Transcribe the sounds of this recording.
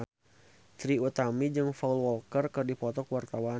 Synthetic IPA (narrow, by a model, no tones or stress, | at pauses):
t̪ɾiut̪amid͡ʒɨŋfaulwɔlkərkɨrdipɔt̪ɔkwart̪awa